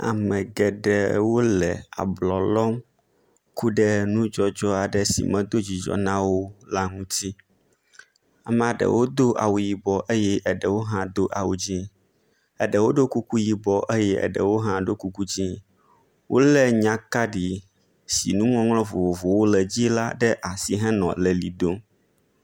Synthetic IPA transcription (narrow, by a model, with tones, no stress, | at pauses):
a̰˨mɛ̃˨ɡɛ˨ɖə˨wo˦lɛ̰˨a̰˨blɔ˨lɔ˦m | ku˦ɖə˦nũ˦d͡ʒɔ˦d͡ʒɔ˦a˨ɖə˦sḭ˨mɛ̃˨d̪o˦d͡ʑi˨d͡ʒɔ̰˨nã˦wo˦la˦ŋũ˦t̪i˦ | a˨mɛ˨a˨ɖə̰˨wo˦d̪o˦ʔa̰˨wu˨ji˨bɔ˨ʔə˦jɛ˦ʔə˨ɖə˨wo˦ɦã˦d̪o˦ʔa˨wṵ˨d͡ʑi˦ | ə˨ɖə˨wo˦ɖo˦ku˦ku˦ji˨bɔ˨˦ʔe˦jɛ˦ɛ̰˨ɖə̰˨wo˦ɦã˦ɖo˦ku˦ku˦d͡ʑĩ˦ | wʔo̰˦lɛ˦ɲã˦ka˦ɖi˨ | sḭ˨nũ˦ŋɔ̃˦ŋlɔ̃˦vo˨vo˨vo˨wo˦lɛ˨d͡ʑi˦la˦ɖɛ˦ʔa˨si˨ɦɛ̃˦nɔ̰̃˨lɛ˨lḭ˨do˦